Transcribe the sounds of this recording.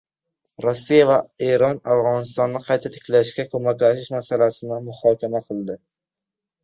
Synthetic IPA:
ɾosːijavaeɾɒnafʁɒnɪst̪ɒnːɪqʰɑjt̪ʰat̪ʰe̥kʲlaɪʃkʲakʰomakʲlæʃɪʃmasalasɪnɪmʊhɒːkʲʰamaqʰɨlˠd̪ɪ

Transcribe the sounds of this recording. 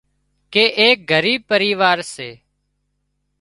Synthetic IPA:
keːʔeːk̚ɡʱəɾiːb̚pəɾiːʋaːɾseː

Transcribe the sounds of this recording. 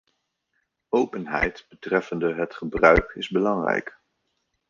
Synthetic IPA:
owpənɦɛ̰jtb̥ətrɛfəndəɦətχəbrœɥkɪzbəlɑŋrɛ̰jk

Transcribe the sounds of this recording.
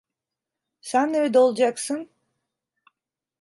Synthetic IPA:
sænːeɾed̪ɛolˠd͡ʒaksɯn

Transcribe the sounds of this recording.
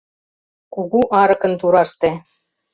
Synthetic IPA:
kuɣuʔɑɾɤ̆kɤ̆nt̪uɾɑʃt̪e

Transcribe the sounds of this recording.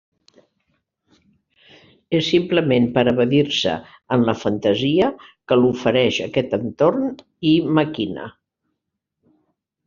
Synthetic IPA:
esːimpləmempəɾəβəðiɾsə̰ | ənləfənt̪əziəkəlufəɾɛʃəkɛt̪ənt̪orn | iməkinə̰

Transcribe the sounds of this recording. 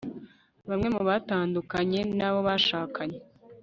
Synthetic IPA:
βamŋe̞muβataːndukaɲe̞naβo̞βaʃaːkʰaɲe

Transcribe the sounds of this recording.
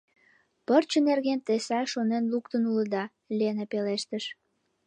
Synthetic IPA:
pərt͡ɕənerɣent̪esɑʃonenlukt̪ənuləd̪ɑ | lienepeleʃt̪əʃ

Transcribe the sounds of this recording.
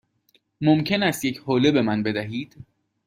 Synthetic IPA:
momcʰe̞næst̪jecʰhoːlebe̞mænbe̞d̪æɦiːd̪̥

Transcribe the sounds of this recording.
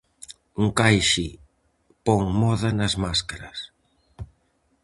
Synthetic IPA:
uŋkajʃɪ | pɔŋmɔðɐnɐzmaskaɾɐs

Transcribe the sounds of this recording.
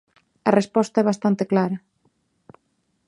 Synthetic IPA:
ɐrespɔst̪aɛβ̞ast̪ant̪eklaɾɐ

